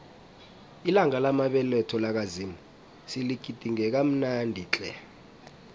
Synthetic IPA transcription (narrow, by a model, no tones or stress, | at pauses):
ilaŋalamaɓɛlɛtʰɔlak̬azimu | siliɡ̥ʱid̥ʱiŋɛk̬am̩nandʱiːt͡ɬʼɛ